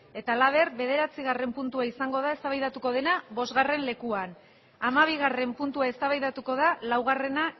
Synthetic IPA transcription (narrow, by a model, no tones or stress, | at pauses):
e̞t̪alaβ̞e̞rβe̞ð̞e̞ɾat͡siɣ̞are̞mpunt̪uaisaŋɡo̞ðae̞st̪aβajðat̪uko̞ð̞e̞naβo̞zɣare̞nle̞kuan | amaβ̞iɣ̞are̞mpunt̪uae̞st̪aβajðat̪uko̞ð̞alawɣ̞are̞na